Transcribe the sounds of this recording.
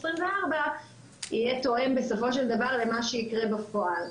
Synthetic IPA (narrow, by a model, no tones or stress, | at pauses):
sʁimveaʁba | ijet̪o̞ʔe̞mbesofo̞ʃeld̪avaʁle̞maʃeikʁe̞bafo̞al